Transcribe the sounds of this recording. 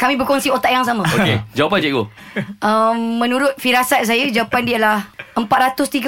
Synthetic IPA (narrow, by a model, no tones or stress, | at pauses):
kamĩbəɾkɔŋsiot̪aʔjaŋs̬amãoked͡ʒawapand͡ʒɛʔɡo | əmːə̃nũɾʊt̪̚fiɾasat̪̚s̬ajəd͡ʒawapandiəlahəmpat̪̚ɾat̪ʊst̪iɡə